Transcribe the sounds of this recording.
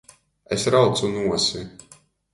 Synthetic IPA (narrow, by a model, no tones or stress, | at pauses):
esɾawt̪sunuɔsi